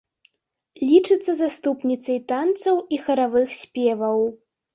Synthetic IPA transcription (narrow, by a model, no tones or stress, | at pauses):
lʲit͡ʂɨt̪sːɐzast̪upnʲit̪sɐjt̪ant̪sɐwixɐɾavɨxsʲpʲɛvɐw